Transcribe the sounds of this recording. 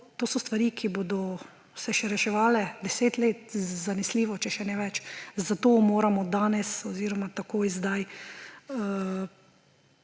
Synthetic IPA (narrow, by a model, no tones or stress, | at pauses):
t̪oːsɔst̪ʋaɾikʰibod̪ɔ | sɛʃɛɾɛʃɛʋaːlɛd̪ɛseːt̪leːt̪zanɛsliːʋɔt͡ʃɛʃɛnɛʋɛt͡ʃzat̪oːmoːɾamɔd̪aːnɛsɔziːɾɔmat̪akoːjzd̪aj